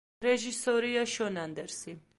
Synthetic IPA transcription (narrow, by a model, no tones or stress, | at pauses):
ɾɛʒisɔɾiaʃɔnand̪ɛɾsi